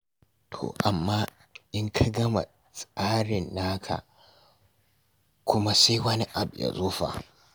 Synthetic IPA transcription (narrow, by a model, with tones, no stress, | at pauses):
tʰo̰ː˨ʔa˨mːaː˦ | ʔɪ˦ŋkʰa˦ɡɐ˦ma̰˨ | sʼaː˦ɽɪ˨nːaː˦kʰa̰˨ | kʷʰʊ˦ma˦sa˦jwɐ˦ni˦ʔa˨bja̰˨zoː˦ɸa̰˨